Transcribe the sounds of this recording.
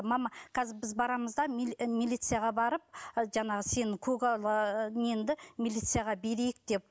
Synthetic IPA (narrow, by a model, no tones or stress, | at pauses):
mɑmɑkʰʲæzɪbɪzbɑɾɑməzd̪ɑmilʲijt̪sɨjaʁɑbɑɾəp̚ʒɑɴɑʁəse̞nɪkʲʰɵɡlˠnend̪ɪmilʲit̪sɨjaʁɑbe̞ɾejɪk̚d̪̥e̞p̚